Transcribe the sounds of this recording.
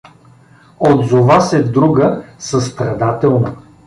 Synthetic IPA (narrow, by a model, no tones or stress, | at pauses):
od̪zovasɛd̪ɾuɡəsəst̪ɾɐd̪at̪ɛlˠnə